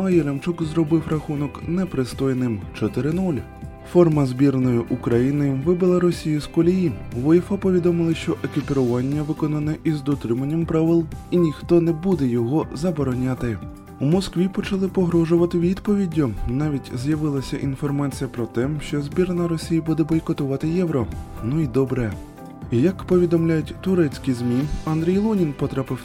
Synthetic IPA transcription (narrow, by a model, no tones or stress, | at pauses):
ɐjɛlʲɐmt͡ʃukzɾɔbɪwrɐxunɔknɛpɾɪst̪ɔjnɪmt͡ʃɔt̪ɪɾɪnulʲ | fɔrmɐzʲbʲirnɔjʊʔʊkɾɐjinɪʋɪbɪlˠɐɾɔsʲijʊskɔlʲijiʋɔjifapɔʋʲid̪ɔmɪlˠɪʃt͡ʃɔʔekʲipʲɪɾʊʋɑnʲːɐʋɪkɔnɐnɛʔizd̪ɔt̪ɾɪmɐnʲːɐmpɾɑʋɪlˠinʲixt̪ɔnɛbud̪ɛjɔɦɔzɐbɔɾɔnʲat̪ɪ | umɔskʋʲipɔt͡ʃɐlˠɪpɔɦɾɔʒʊʋɐt̪ɪʋʲid̪pɔʋʲidʲːʊnɑʋʲitʲzjɐʋɪlˠɐsʲɐʔinfɔrmɑt͡sʲijɐpɾɔt̪ɛʃt͡ʃɔzʲbʲirnɐɾɔsʲijibud̪ɛbɔjkɔt̪ʊʋɑt̪ɪjɛʋɾɔnuid̪ɔbɾɛ | jɐkpɔʋʲid̪ɔmlʲajʊtʲt̪ʊɾɛt͡sʲkijzmʲiɐnd̪ɾʲijlˠunʲinpɔt̪ɾɑpɪw